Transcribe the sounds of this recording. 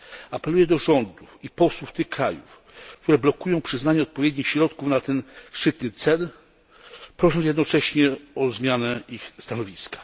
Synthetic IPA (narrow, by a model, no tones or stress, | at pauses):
apɛlujɛd̪ɔʐɔnd̪ufipɔswuft̪ɘxkɾajṵf | k̚t̪uɾɛblɔkujɔ̃w̃pʂɘznaɲɛɔt̪̚pɔvʲjɛd̪̚ʲɲixɕɾɔt̪kufnat̪ɛnʂɘt̪nɘt̪sɛl | pɾɔʂɔ̃ñsjɛd̪nɔt͡ʂɛɕɲɛɔzmʲjanɛixst̪anɔvʲiskḁ